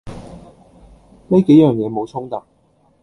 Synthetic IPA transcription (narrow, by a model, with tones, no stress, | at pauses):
ne˥ke˨˥jœː˨ŋjɛː˨˧mo˨˧wt͡sʰʊ˥ŋt̪ɐ˨˩k̚